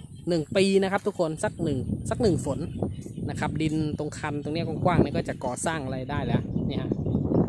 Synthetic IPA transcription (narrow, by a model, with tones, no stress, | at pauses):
nɯ˨˩ŋpiː˧na˦˥kʰa˦p̚t̪ʰu˦˥kʰːo˧nsa˧˩k̚nɯ˨˩ŋsa˧˥˩k̚nɯ˨˩ŋfo˩˦nna˦˧˥kʰa˦˥p̚di˧nt̪o˧ŋkʰa˧nt̪o˧ŋni˥˨kʰuː˧˩kwaː˥˩ŋniː˧˥˩kɔː˥˩t͡ɕa˨˩kɔː˨˩saː˥˩ŋʔa˧ɾa˧jdaː˥˩jlɛː˦˥˩ʔniː˦˧˥hɦa˧˥ʔ